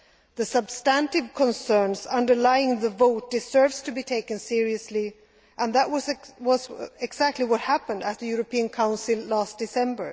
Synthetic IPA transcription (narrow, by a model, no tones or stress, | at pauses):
ðɨsəb̥stæ̃ntɪv̥kʰə̃nsɜ̃˞nzʌ̃ndə˞laɪɪ̃ŋðəvoʊt̚d̥ɨz̥ɜ˞vz̥tʰɨbitʰeɪkɨ̃nsɪɹiɨsli | ʔə̃nðəʔwʌzwʌzɪɡz̥æk̚tʰˡliwʌt̚hæpə̃ndɨt̪̚ðɨjʊɹɨpʰiɨ̃nkʰãʊ̃nsɨlˠlæsd̥ɨsɛ̃mbə˞